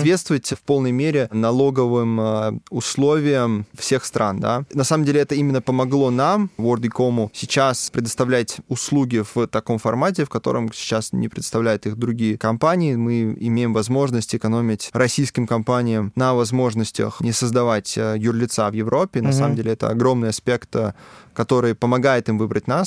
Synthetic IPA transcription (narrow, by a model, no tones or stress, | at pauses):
t̪vʲet̪st̪vəvətʲfpo̞lˠnəjmʲeɾʲɪnɐlˠo̞ɡəvɨmʊslˠo̞vʲɪjəmfsʲe̞xst̪ɾʔa̰nd̪a̰nɐsaməmdʲelʲɪɛt̪əimʲɪnːəpəmɐɡlˠo̞namvord̪ɪko̞mʊsʲɪt͡ɕaspɾʲɪd̪əst̪ɐvlʲætʲʊslˠuɡʲɪv̥t̪ɐko̞mfɐrmat̬ʲɪfkɐt̪o̞̰ɾə̰msʲɪ̥t͡ɕasnʲɪ̰pɾʲɪ̰d̪ə̥st̪ɐvlʲæjʊt̪ixd̪ɾʊɡʲijəkɐmpanʲɪːmɨɪmʲejɪmvɐzmo̞ʐnəsʲtʲɪkɐno̞mʲɪtʲrɐsʲijskʲɪmkɐmpanʲɪjəmnəvɐzmo̞ʐnəsʲtʲə̰xnʲɪsəzd̪ɐvatʲjʊrlʲɪt̪savjɪvɾʔo̞pʲːɪnɐsaməmdʲelʲɪɛt̪ə̰ɐ̰ɡɾo̞mnɨjɐspʲe̞kt̪kɐt̪o̞ɾɨjpəmɐɡajɪt̪ɨmvɨbɾətʲnas